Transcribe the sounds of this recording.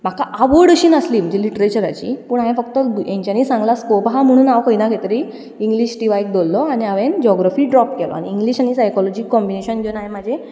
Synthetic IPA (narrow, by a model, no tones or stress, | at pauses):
m̤akaʔaʋoɽəɕiːnasliːm̤əd͡ʑeliʈɾet͡ɕəɾat͡ɕḭːpuːɳaɦjẽfəkt̪ɔd̪ujẽɲt͡ɕaniːsãŋɡlaskɔbɦam̤əɽ̃uːnawkəinaket̪əɾi | iŋɡliɕʈiʋajk̚d̪olːɔaɽ̃iaʋend͡ʑɔɡɾafiːɖɾɔpkɛlɔ̰a̰niːŋɡliːɕañisajkɔlɔd͡ʑikːɔmbineɕənɡenaɦẽm̤ad͡ʑʱe